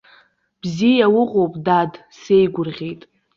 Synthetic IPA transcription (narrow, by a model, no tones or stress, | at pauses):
b̥zijawʊqʼowpʼdad | se̞jɡʷʊrʁʲejtʼ